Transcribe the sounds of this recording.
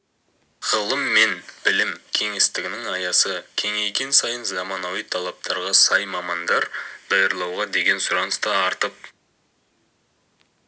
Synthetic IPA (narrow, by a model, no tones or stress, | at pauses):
ʁ̥əlˠəmːe̞nb̥ɪlɪmkʲʰe̞ŋe̞st̪ɪɡʲɪnɪŋɑjɑsəkʲʰe̞ŋejkʲe̞nsɑjənzɑmɑnɑwijt̪ʰɑlˠɑp̚t̪ʰɑɾʁɑsɑjmɑmɑnd̪ɑɾd̪̥ɑjəɾlˠɑwʁɑd̪e̞ɡʲe̞nsʊɾɑnəst̪ɑɑɾt̪əp̚